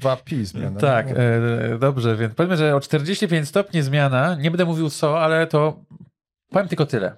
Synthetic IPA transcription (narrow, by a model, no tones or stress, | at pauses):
vapʲizmʲa̰nt̪akd̪ɔbʐɛvʲjɛnpɔvʲemʐɛɔt͡ʂt̪ɛɾd͡ʑeɕt͡ɕipʲjeɲt͡ɕst̪ɔpʲɲizmʲjanaɲɛbɛnd̪ɛmuvʲiwt̪sɔalɛt̪ɔ | pɔvjɛmt̪ɘlkɔt̪ɘlɛ̰